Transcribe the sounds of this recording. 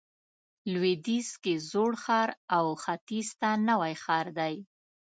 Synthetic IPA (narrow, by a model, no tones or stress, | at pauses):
lwed̪iskezoɽxɑɾawxat̪ist̪anawajxɑɾd̪aj